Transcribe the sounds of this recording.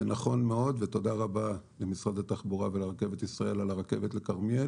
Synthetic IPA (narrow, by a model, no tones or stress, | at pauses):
naχo̞nmeo̞d̪vet̪o̞d̪aʁabalemisʁad̪at̪aχbuʁaveleʁake̞vet̪isʁae̞lalaʁake̞vet̪lekaʁmjel